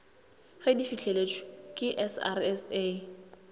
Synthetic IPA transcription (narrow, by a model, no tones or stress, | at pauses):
χedifit͡ɬʰelet͡ʃʰʼɪ̥kʼɪʔɛsa̰rɛse